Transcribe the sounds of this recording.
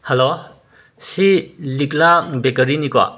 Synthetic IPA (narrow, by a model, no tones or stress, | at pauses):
hɐlo | silik̚labekɐɾinikwa̰